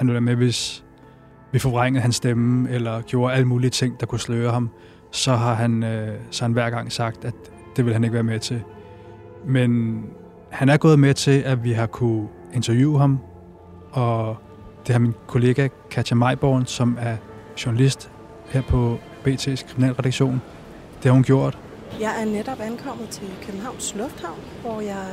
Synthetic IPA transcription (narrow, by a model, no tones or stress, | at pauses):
hænʋelʋæɐmeʋe̝s | ʋifɒʁaŋ̰ð̩ˠhænsd̥emelɐɡ̥jo̝ːɐæləmuːliət͡sʰe̝ŋ̰d̥ɑ̈kʰusløːɐhɑ̈m | sɒ̽ɦɑ̈ɦænsɒ̽hænʋæɐ̰ɡ̥ɑ̈ŋ̰sɑ̈ɡ̥̚d̥æ̥ | d̥e̝ʋe̝lhæneɡ̥ʋæːɐmet͡sʰe̝l | men | hænæɐɡ̥ɔ̽ːð̩ˠmet͡sʰe̝ʔæʋiɦɑ̈kʰu | e̝nt͡sʰɐjṵːɦɑ̈m | ɒ̽ | d̥e̝hɑ̈minkʰo̝le̝ːɡ̥ækʰæjæmɑ̈ɪb̥ɒ̰ːnsɒ̽mæɐ | ɕuɐnælisd̥ | heɐ̰pʰɒ̽ | b̥e̝̰ːt͡sʰe̝̰ːskʰʁiminɛ̰ːlʁɛdɾɑ̈ɡ̥ɕo̝̰ːn | d̥e̝hɑ̈hunɡ̥jo̝ɐ̰d̥ | jɑ̈ɪæɐned̥ɒb̥ænkʰɒ̽m̰ð̩ˠt͡sʰe̝lkʰøb̥m̩ɦɑ̈ʊ̰nslɔ̽fd̥hɑ̈ʊ̰nʋɒjɑɪ